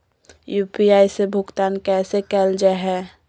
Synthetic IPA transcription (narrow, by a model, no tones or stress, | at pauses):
juːpiaːisebʱʊkt̪aːnkɛːsekɛld͡ʒaɦɛː